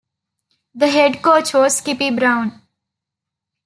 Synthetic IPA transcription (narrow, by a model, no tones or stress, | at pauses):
d̪əɦeɖkoːt͡ʃʋɔskɪpibɾãʊ̃n